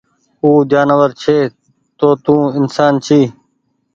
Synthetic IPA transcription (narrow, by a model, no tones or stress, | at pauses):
huːd͡ʒaːnəʋəɾt͡ʃʰeː | t̪oːt̪ũːɪnsaːnt͡ʃʰiː